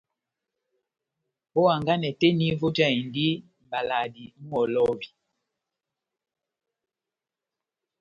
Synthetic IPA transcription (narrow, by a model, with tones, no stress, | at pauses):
ɔ˦wa˨ŋɡa˦nɛ˨tɛ˦ni˦vo˦d͡ʒa˦˨i˨ndi˦ | m˨ba˨la˨di˨ŋ̩˦ɔ˨lɔ˦vi˨